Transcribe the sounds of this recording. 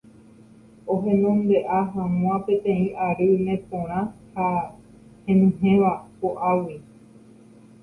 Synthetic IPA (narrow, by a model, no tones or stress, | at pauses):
oɦẽ̞nõnd̪e̞ʔaɦãw̃ãpẽ̞t̪ẽ̞ĩʔaɾɨmẽ̞põɾ̃ãha | hẽnɨ̃ɦẽ̞ʋapoʔawi